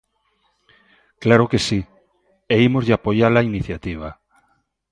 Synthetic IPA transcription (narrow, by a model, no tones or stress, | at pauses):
klaɾokesi | eimozʎeapoʎalainiθjat̪iβ̞a